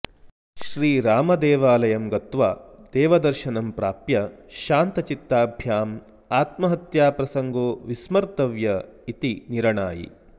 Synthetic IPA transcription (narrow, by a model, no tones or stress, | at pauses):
ʃɾiːɾaːmɐd̪ɛːʋaːlɐjɐmɡɐt̪ʋaːd̪̥ɛːʋɐd̪ɐɾʃɐnɐmpɾaːpjɐʃaːnt̪ɐt͡ʃit̪ːaːbʱjaːm | aːt̪mɐɦɐt̪jaːpɾɐsɐŋɡoːʋismɐɾt̪ɐʋjɐit̪iniɾɐɳaːjḭ